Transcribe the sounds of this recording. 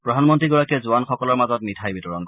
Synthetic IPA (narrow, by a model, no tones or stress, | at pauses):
pɹɔdʱanmɔntɹiɡɔɹakiɛzʊwanxɔkɔlɔɹmazɔtmitʰajbitɔɹɔnk